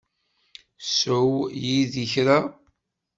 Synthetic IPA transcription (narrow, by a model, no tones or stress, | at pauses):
səwjiðiçɾa